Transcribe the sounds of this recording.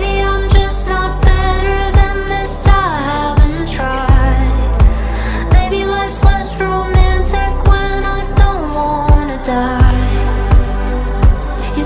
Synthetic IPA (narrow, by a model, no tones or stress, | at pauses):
biãɪ̃md͡ʒʌsnət̚b̥ɛɾə˞ðɨ̃nðɪsaɪhævɨ̃ntʰɹ̥aɪd | meɪbilaɪtslɛsɹoʊmæ̃ntʰɪkwə̃naɪdõʊ̃ntʔwɑ | nɨda | j